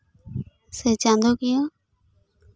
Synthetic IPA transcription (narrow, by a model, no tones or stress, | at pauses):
seːt͡ʃãːnd̪oːkɪjoː